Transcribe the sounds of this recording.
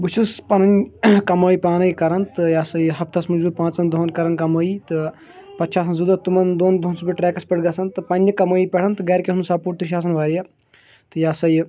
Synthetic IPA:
but͡ʃʰuspɐnɐnʲkɐmoːiːpʲaːnɐikɐɾɐnt̪ɨjaːsɐɦɐpt̪ʰɐsmud͡ʒbuːpãːt͡sɐnd̪oːnkɐɾɐnkɐmoːit̪ɨ | pɐt͡ʃʰaːs̬ɐnzud̪ɐt̪umɐnd̪oːnd̪oːnsbiʈɾɛːkɐspɐʈɡɐsɐnt̪ɨpɐnʲːɐkɐmoːipʲeʈʰɐnt̪ɨɡɐːɾkʲeɦnsaːpuʈ̚t̪iʃ̬ʲaːs̬ɐnʋaːɾijɐ | t̪ɨjaːsɐj

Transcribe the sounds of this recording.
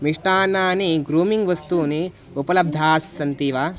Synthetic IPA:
miʂʈaːnaːniɡɾuːmiŋɡʋɐst̪uːni | upɐlɐb̚d̪ʱaːsːɐnt̪iːʋaː

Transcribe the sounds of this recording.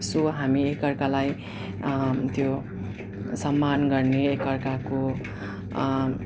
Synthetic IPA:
soɦamiekʌrkalaj | t̪jo | sʌmːanɡʌrneekʌrkako

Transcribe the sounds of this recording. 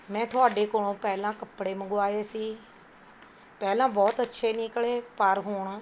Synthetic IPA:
mɛ̃ːt̪ʰʊaːɖeːkoːɽõːpɛːlãːkəpːɽeːməɡʊaːeːsiː | pɛːlãːbɔːt̪ətːʃʰeːniːkəɭeːpəɾɦoːɳaː

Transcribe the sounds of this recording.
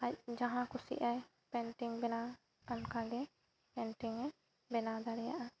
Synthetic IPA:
ac̚d͡ʒãɦãkusḭʔaj | pɛ̃nʈiŋbɛna | ankaɡɛ | pɛ̃nʈiŋ | bɛnad̪aɽɛja̰ʔa

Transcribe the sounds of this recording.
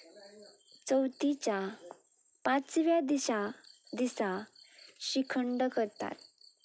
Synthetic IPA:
t͡səwt̪it͡ɕja | pãt͡sʋjad̪iɕad̪isa | ɕikʰəɳɖəkəɾt̪a̰t̪̚

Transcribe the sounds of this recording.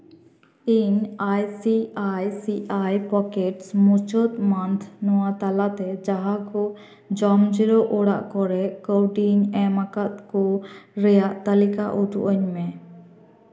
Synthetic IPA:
iɲajsiajsiʔajpɔkeʈsmut͡ʃɔt̪mant̪ʰnɔwat̪alat̪ɛd͡ʒaɦakɔ | d͡ʒɔmd͡ʒiɾɔʔɔɽa̰ʔkɔɾɛkowɖiŋɛmakat̪̚kɔɾɛjaʔt̪alikaʔut̪ṵʔəɲmɛ̃

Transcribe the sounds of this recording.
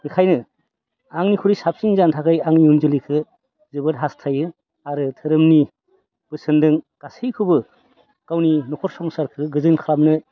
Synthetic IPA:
hikʰajnɯ | aŋnikʰuɾisap̚siŋzantʰakʰɯjaŋniunzɯlikʰɯ | zɯbɯtɦastʰajɯ | aɾɯtʰɯɾɯmni | b̥ɯsɯndɯŋkasijkʰɯbɯ | kawninɔkʰɔɾsɔmsaɾkʰɯɡɯzɯnkʰɾamnɯ

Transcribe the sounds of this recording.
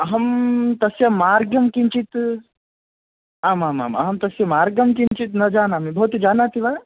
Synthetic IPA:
ɐɦɐmt̪ɐsjɐmaːɾɡjɐmkiɲt͡ʃit̪ | aːmaːma̰ːmɐ̰ɦɐmt̪ɐsjɐmaːɾɡɐmkint͡ʃit̪nɐd͡ʒaːnamibʱɐɦut̪d͡ʒaːnaːt̪ʰiʋa

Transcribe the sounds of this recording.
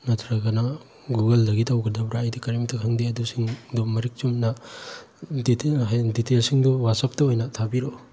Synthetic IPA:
nɐtʰɾɐɡɐnɐ | ɡuɡɐldɐɡitɐwɡɐdɐbɾaːjdikɐɾemtʰɐkʰaŋdiɐdusiŋdumɐɾik̚t͡ʃumnɐ | dditelsiŋduwasɐp̚tɐojnɐtʰabiɾo

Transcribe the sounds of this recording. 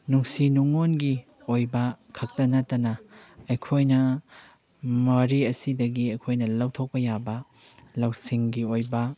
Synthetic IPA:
nuŋsinuŋonɡi | ojbɐkʰɐk̚tɐnɐtːɐnɐɐjkʰojnɐ | mɐɾiɐsidɐɡiɐjkʰojnɐlɐwtʰowk̚pɐjabɐ | lɐwsiŋɡiojbɐ

